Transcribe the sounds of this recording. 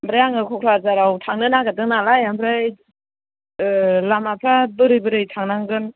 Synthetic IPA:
mbɾajaŋɯkʰɔkʰɾaɾzaɾawtʰaŋnɯnaɡadɯŋnalajambɾaj | lamapʰɾabɯɾɯjbɯɾɯjtʰaŋnaŋɡɯn

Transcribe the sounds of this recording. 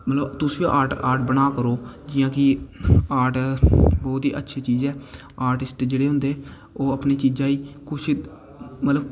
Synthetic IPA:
mət̪ləbt̪ʊso̰ʔaːʈaːɾʈbənaːkəɾoːd͡ʒɪjãːkɪaːɾʈbɔːt̪ḭːʔətːʃʰiːt͡ʃiːzɛː | aːɾʈɪsʈd͡ʒeːɽeːɦʊ̃nd̪eː | oːəpneːt͡ʃiːzãːiːkʊʃ | mət̪ləb

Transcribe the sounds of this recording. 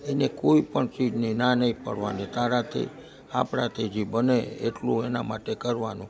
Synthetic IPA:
enekoipəɳt͡ʃid͡ʒninanəĩpə̰ɽʋanet̪aɾat̪ʰḭ | a̰pɽat̪ʰed͡ʒibəneḛʈlũenamaʈekəɾʋanũ

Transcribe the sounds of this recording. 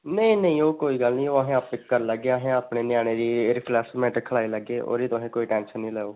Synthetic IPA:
nə̃ĩːnəĩːoːkoːiːɡəlnĩːoːəɦẽːapɪkːəɾləɡːeːəɦẽːaːpneːnjaːɽ̃eːɾiːɾɪpʰlɛːsmɛ̃ːʈəkʰəlaːiləɡːeːʔo̰ːɾiːt̪ʊɦẽːkoːiːʈɛ̃ːnʃənːĩːlɛːoː

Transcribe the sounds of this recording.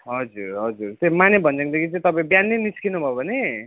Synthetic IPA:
ɦʌd͡zuɾɦʌd͡zuɾt̪emanebʱʌnd͡zaŋd̪ekʰit͡sʌ̃ĩt̪ʌpaĩbjanːeniskʰinubʱʌbʱʌne

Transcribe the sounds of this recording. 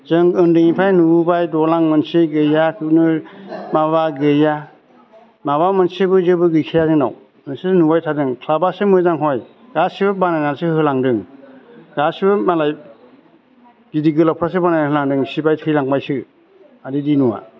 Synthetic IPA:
zɯŋɯndɯŋipʰajnuubajdɔlaŋmɯnseɡɯjatunɯmaβaɡɯja | maβamɯnsebɯzɯbɯɡɯjkʰijazɯŋna̰w | nɯsenubajtʰadɯŋkʰlabasemɯzaŋɦɔj | ɡ̥asibɯbanajnasɯɦɯlaŋdɯŋ | ɡ̥asibɯmalaj | ɡidiɡɯlawpʰɾasebanajnahɯlaŋdɯŋsibajtʰɯjlaŋbajsɯ | adidinuwa̰

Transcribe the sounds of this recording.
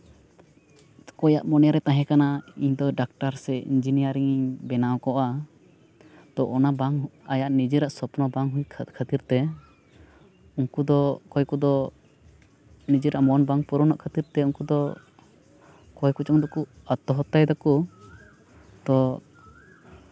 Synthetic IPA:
kɔja̰ʔmɔnɛjaɾɛt̪aɦɛ̃kanaiɲd̪ɔɖak̚ʈaɾsɛḭɲd͡ʒinijaɾiŋbɛnawɔkɔʔa | t̪ɔʔɔnabaŋajaʔnid͡ʒiɾaʔsɔpunɔbaŋɦuɲkʰat̪iɾt̪ɛ | uŋkud̪ɔkɔjkud̪ɔ | nid͡ʒiɾaʔmɔnbaŋpuɾɔnaʔkʰat̪iɾt̪ɛuŋkud̪ɔ | kɔjkut͡ʃɔŋd̪ɔku | at̪ɔɦɔt̪ajd̪ɔku | t̪ɔ

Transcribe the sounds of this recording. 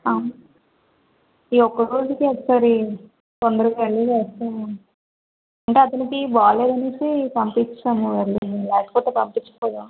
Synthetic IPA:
aːmu | iɔkːɐɾoːzikiɛk̪ːsaːɾi | t̪ond̪ɐɾuʋeɾlid͡ʒeːst̪eu | ɐɳʈe̞ːɐt̪ɐnikibaːleːd̪ɐnesipɐmpit͡ʃːaːmuʋeɾliilaːʈi̥pɔːt̪ːeːpɐmpit͡ʃːɐ̥kɔːd̪aː

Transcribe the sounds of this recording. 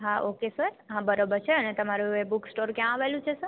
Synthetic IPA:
ɦãʔokesəɾɦãbəɾobəɾt͡ʃʰeənet̪əmaɾuebuksʈoɾkjãaʋelũt͡ʃʰesəɾ

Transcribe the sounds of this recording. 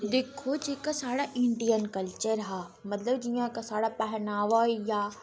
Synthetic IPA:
d̪eːkʰod͡ʒeːkasaːɽaʔɪɳɖijənkɐlt͡ʃəɾɦaː | mɐt̪ləbd͡ʒijãkasaːɽapɛɦnaːʋaijaː

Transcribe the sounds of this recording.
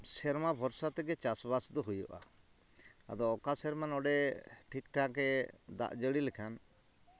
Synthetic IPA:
sɛɾmabʱɔɾsat̪ɛɡɛt͡ʃasbasd̪ɔɦujɔ̰ʔa̰ | a̰d̪ɔːkasɛɾmanɔɖɛʈʰikʈʰakɛd̪a̰ʔd͡ʒəɽilɛkʰan

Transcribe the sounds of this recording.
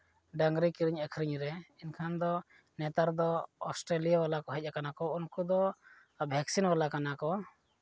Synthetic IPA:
ɖaŋɡɾikiɾiɲɛkʰɾiɲɾɛinkʰand̪ɔ | nɛt̪aɾd̪ɔɔsʈɾelijawalakɔɦɛc̚ˀakanakɔunkud̪ɔ | bʱɛksinwalakanakɔ

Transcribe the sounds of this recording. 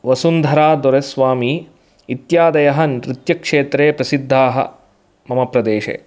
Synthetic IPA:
ʋɐsund̪ʱɐɾaːd̪ɔɾɐsʋaːmiː | t̪jaːd̪ɐjɐɦɐnɾɪt̪jɐkʂeːt̪ɾeːpɾɐsid̪ʱːaːɦɐ̰ | mɐmɐpɾɐd̪eːʃḛː

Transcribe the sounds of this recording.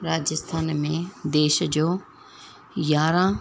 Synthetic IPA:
ɾaːd͡ʑəst̪ʰaːnmẽd̪eːʃd͡ʑoː | jaːɾã

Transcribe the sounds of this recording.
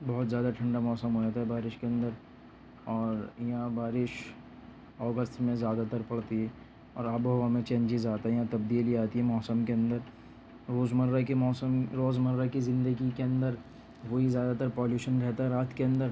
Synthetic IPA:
bɐɦʊt̪zjaːd̪aʈʰɐ̃ɳɖamɔːsəmɦoːd͡ʒaːt̪aɦɛbaːɾɪʃkeɐ̃nd̪əɾ | ɔːɾjɐɦãbaːɾɪʃ | ɔːɡəsʈmẽzjaːd̪at̪əɾpɐɽt̪iɦɛ | ɔ̰ːɾabɦɐamẽt͡ʃɛ̃ːnt͡ʃiːzaːt̪aɦɛjɦãt̪ɐbd̪iːliaːt̪iɦɛmɔːsəmkeɐ̃nd̪əɾ | ɾoːzməɾɾakimɔːsəmɾoːzməɾːakizɪ̃nd̪əɡikeɐ̃nd̪əɾ | ʋoɦizjaːd̪at̪əɾpɔːljuːʃənɾɛɦt̪aɦɛɾaːt̪ʰkeɐ̃nd̪əɾ

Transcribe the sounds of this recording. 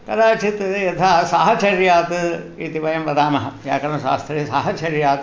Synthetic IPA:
kɐɾaːt͡ʃit̪jɐt̪ʰaːsɐɦɐt͡ʃɐɾjaːt̪ɨ | it̪iʋɐjɐmʋɐd̪aːmɐɦɐja̰ːkɐɾmɐʃa̰ːst̪ʰɾeːsɐɦɐt͡ʃɐɾjaːt̪

